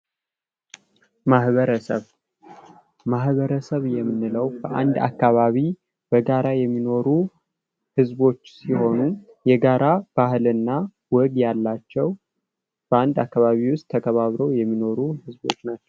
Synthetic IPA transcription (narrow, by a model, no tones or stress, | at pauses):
mahβəɾəsəβ | mahβəɾəsəβjɛmːɨnːɨləwbəʔa̰nd̪a̰kːaβaβi | b̥əɡaɾajɛmːino̞ɾu | hɨzbo̞t͡ʃːsiho̞nu | jɛɡaɾʔab̥ahɨlɨnːa | wɔɡjalːat͡ʃːɛw | b̥əand̪akːaβaβiwʊst̪ʰːəkʰəβaβɾəwjɛmːino̞ɾuhɨzbo̞̰t͡ʃːnat͡ʃːɛ̥w